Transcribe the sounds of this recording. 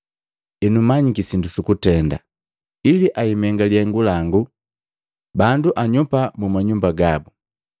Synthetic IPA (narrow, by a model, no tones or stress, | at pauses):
ɛnumaɲikisindusukutɛnda̰ | iliʔaimɛŋɡaliɛŋɡulaŋɡu | banduʔaɲupamumaɲumbaɡabu